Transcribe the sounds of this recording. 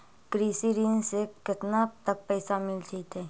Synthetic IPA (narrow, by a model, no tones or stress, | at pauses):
kɾiːsiɾiːnsekɪt̪nat̪ək̚pɛːsamɪld͡ʒit̪ɛː